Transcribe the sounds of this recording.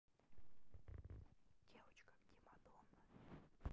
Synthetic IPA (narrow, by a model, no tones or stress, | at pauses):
d̥ʲevət͡ɕkə̥ɡʲɪmad̪onə